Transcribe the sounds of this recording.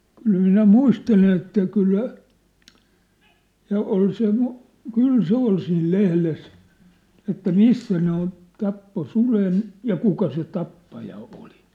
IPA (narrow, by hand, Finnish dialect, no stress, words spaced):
kyl minæ muistelen etːæ kylːæ jɑ ol se kyl se ol siːl lehles etːæ misːæ ne on tɑpːo sulen jɑ kukɑ se tɑpːɑjɑ oli